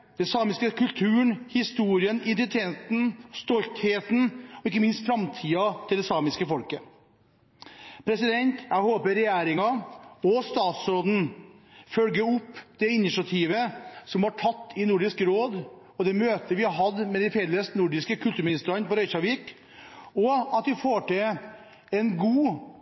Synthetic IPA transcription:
d̪̥ɛsɑːmɪskəkʉlt̪ʰʉːəɳhɪst̪uːɾɪənɪnt̪ɪt̪ʰeːt̪n̩st̪ɔlt̪heːt̪n̩ɔɪkːəmɪnst̪fɾɑmt̪ʰiːɑt̪ʰɪld̪ɛsɑːmɪskəfɔlkə | pʰɾɛsɪd̪ɛnt̪jæɪhoːpəɾɛjæːɾɪŋɑɔst̪ɑːt̪sɾoːd̪n̩fœlɡəʊpːd̪̥ɛɪnɪsɑt̪ʰiːʋəsɔmhɑʈʰɑt̪ːɪnʊɖɪskɾoːd̪ | ɔd̪ɛmøːt̪əʋɪɑɦɑd̪mɛd̪ɛɪfɛlːəsnʊɖɪskəkʰʉlt̪ʉːɾmɪnɪst̪ɾɑnpɔɾœʏsɑʋik | ɔɑt̪̚d̪ɪfoːʈɪ | ɛnɡuː

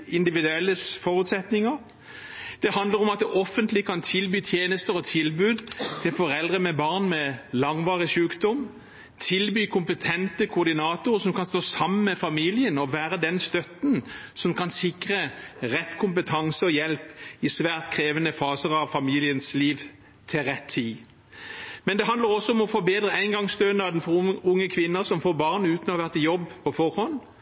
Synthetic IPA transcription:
ɪnd̪ɪʋɪd̪ʉɛlːəfɔɾʉt̪sɛt̪nɪŋəɾ | d̪̥ɛhɑnd̪ləɾɔmɑt̪̚d̪ɛʔɔfːənt̪lɪkʰɑnt̪ʰɪlbyːt̪ʰjeːnəst̪əɾɔt̪ʰɪlbʉːd̪t̪ʰɪlfɔɾɛld̪ʁəmɛbɑʁnmɛlɑŋʋɑːʁɪʃʉːkd̪ɔm | t̪ʰɪlbyːkʰʊmpət̪ʰɛnt̪əkʰʊʊʁd̪ɪnɑːt̪ʊʁəsɔmkɑnst̪oːsɑmːənmɛfɑmiːlɪənɔʋæːɾəd̪ɛnst̪œt̪n̩sɔmkʰɑnsɪkʁəʁɛt̪ːkʰʊmpət̪ʰɑŋsəɔjɛlpɪsʋæːʁt̪kʰʁeːʋənəfɑːsəʁɑʋfɑmiːlɪənsliːʋ | t̪ʰɪlʁɛt̪ʰːiː | mɛnd̪ɛɦɑnd̪ləʁɔsɔɔmɔfɔːbeːd̪ʁəæɪnɡɑŋst̪øːnəɑd̪ɛnfɔʊŋːəkʰʋɪnːəsɔmfoːʁbɑʁnʉːt̪nɔɑʋæʁt̪ɪjɔbːpʰɔfɔʁhɔn

